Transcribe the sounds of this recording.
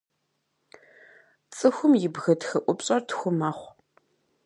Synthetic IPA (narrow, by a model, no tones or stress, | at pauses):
t͡sʼɨxʷʊmjɪbɣɐtxɐʔʷʊpɕʼɐrtʰxʷʊmaːχʷ